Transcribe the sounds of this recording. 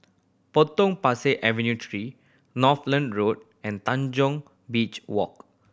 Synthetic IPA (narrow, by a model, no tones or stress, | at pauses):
pot̪ɔ̃ŋpaseʔɛvɛ̃njutʰɹi | nɔtlãndɹot̚ | ɛ̃nt̪ãnd͡ʒɔ̃ŋ | bit͡ʃwɔ̰k̚